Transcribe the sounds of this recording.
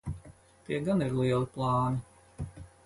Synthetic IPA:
t̪iɛɡaniɾlˠiɛlˠiplˠɑːni

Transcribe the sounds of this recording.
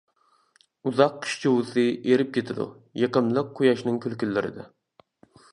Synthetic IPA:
uzɑqqʰːɨ̥ʃt͡ʃʰiwɨsɨeɾɪp̚kʲʰet̪ʰɪd̪ṵ | jeqəmlˠəqʰːojɑʃnɨŋkʲʰylkʲylːɪɾɪ̰d̪ɪ̰

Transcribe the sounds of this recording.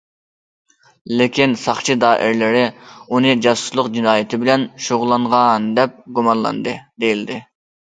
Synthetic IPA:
lɪkʲinsɑχt͡ʃʰid̪ɑːʔɪ̰ɾlɪɾɪunɨd͡ʒɑsu̥slˠəqd͡ʒinɑːjɪt̪ʰɪbɪlɛnʃoʁʊlˠɑɴʁɑnd̪ɛp̚ɡumɑnlˠɑ̰nd̪ɨd̪ejild̪ɪ

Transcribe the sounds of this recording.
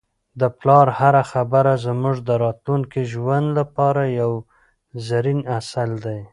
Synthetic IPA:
d̪əplɑɾhaɾaxabaɾazmuʐd̪əɾɑt̪luŋkiʒwand̪lapɑɾajaw | zaɾinasald̪aj

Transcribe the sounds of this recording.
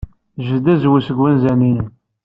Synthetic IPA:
ʒəd̪æzwusəɡwænzæninən

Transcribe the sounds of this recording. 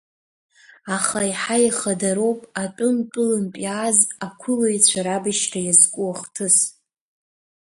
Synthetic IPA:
aχaiħajχadaɾo̞wpʼatʼʊnpʼʊlɨmpʼjazakʷʰʊloit͡ɕʷʰaɾabɨʃtʰajazkʷʼuaχtʰɨs

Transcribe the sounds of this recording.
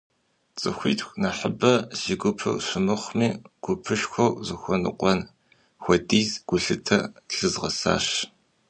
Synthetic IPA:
t͡sʼɨxʷiːtxʷnaħəbɐz̥ɪɡʷʊpʰɐ̰wɕʷɪmɨχʷmiːɡ̥ʷʊpʰɨʃxʷɔwzɨxʷɔnɨ̰qʷʼɔn | xʷɔdiːzɡ̥ʷʊɬɨtʰɐɬɨzʁɐsa̰ːɕ

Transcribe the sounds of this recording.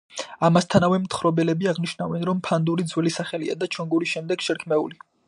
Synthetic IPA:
amast̪ʰanavɛmt̪ʰχɾɔbɛlɛbiaʁniʃnavɛnɾɔmpʰand̪uɾid̪zwɛlisaχɛlia̰d̪at͡ʃʰɔŋɡuɾisʃɛmd̪ɛɡ̥ʃɛɾkʰmɛṵli

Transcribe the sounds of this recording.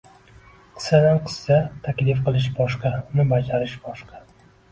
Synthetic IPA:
qʰɨ̥sːad̪anqʰɨ̥sːat̪ʰakʲlɪfqɨlˠɪʃbɒʃqɑnɪbad͡ʒaɾɪʃbɒʃqʰɑ

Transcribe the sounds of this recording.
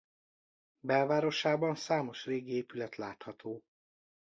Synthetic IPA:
bɛlvaːɾo̞ʃaːbɒnsaːmo̞ʃreːɡieːpylɛt̪laːt̪hɒt̪oː

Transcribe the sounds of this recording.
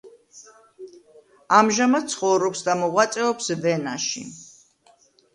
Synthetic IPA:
amʒamad̪̥̚t̪sʰχɔwɾɔpsd̪amɔʁwat̪sʼɛɔpsvɛnaʃḭ

